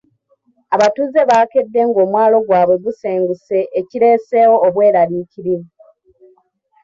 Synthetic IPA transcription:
aβatuze̞βake̞dːe̞ŋɡo̞ːmwaːlo̞ɡwaːβwe̞ɡuseːŋɡuse̞ʔːciɾe̞ːse̞ːwo̞ːβwe̞ːɾaliciɾi

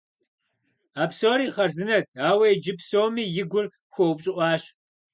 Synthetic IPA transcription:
aːpsoːɾiːχɐrzɨnɐtʰaːwɐjd͡ʒɪpʰsoːmiːjɪɡʷʊr | xʷowpɕʼɪʔʼʷɑːʃ

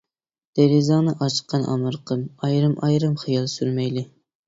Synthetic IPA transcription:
d̪̥eɾɪzɑŋnɨʔɑt͡ʃʰə̥qːɑnʔɑ̰mɨɾqʰəmɑjɾɨmɑjɾɨmχɨjɑlˠsyɾmɛjlɪ

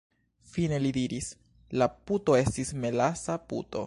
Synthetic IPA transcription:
fine̞lidiɾis | laputo̞e̞stisme̞lasapṵto̞̰

